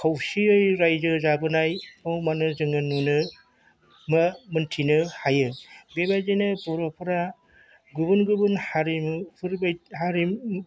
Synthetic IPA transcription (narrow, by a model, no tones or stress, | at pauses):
kʰawsiɯjɾajzɯzabɯnajpʰawmanɯzɯŋɯnːunɯ | mɯmɯntʰinɯhajɯbebajd͡ʒenɯbɔɾɔpʰɯɾa | ɡubɯnɡubɯnhaɾimpʰɯɾbajɦaɾim